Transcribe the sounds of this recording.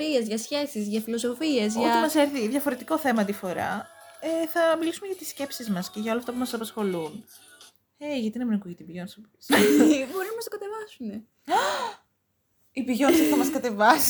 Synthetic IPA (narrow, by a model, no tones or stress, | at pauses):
ɾiezʝɐsçe̞sizʝɐfilo̞so̞fie̞zʝoɐt̪imɐse̞ɾθiðʝɐfo̞ɾe̞t̪iko̞θe̞mɐnd̪ifo̞ɾɐ̰eθɐmilisumeʝɐt̪isce̞psizmɐsceʝɐo̞lɐft̪ɐp̬umɐsɐpɐsxo̞lun | eʝɐt̪inemɾeŋkuʝit̪ibiʝo̞nsɐp | bo̞ɾinɐmɐst̪okɐt̪e̞vɐsune | ibiʝo̞nsɐθɐmɐskɐt̪e̞vɐs